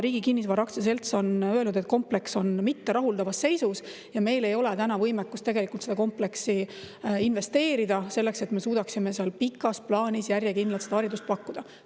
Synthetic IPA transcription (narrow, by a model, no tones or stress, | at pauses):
ɾiːɡikinːis̬vʋɑɾɑktses̬e̞lt̪so̞nøe̞lnud̪̥e̞t̪̚ko̞mple̞kso̞nmit̪ːe̞ɾʔɑɦuld̪ɑvɑsːe̞jsus | jɑme̞jle̞jo̞let̪ænɑvɤjmekːˑust̪eɡe̞likult̪se̥ɑko̞mple̞ksi | inve̞st̪e̞ːɾid̪̥ɑse̞lːe̞kse̞t̪me̞suːd̪ɑksimeseɑlpikːˑɑsplɑːnʲisjæɾjekind̪lɑlt̪sed̪ɑɑɾid̪ust̪̚pɑkːud̪̥ɑ